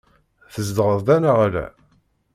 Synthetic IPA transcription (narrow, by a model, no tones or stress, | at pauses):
θəzd̪əʁəðˤd̪ænaʁalæ̰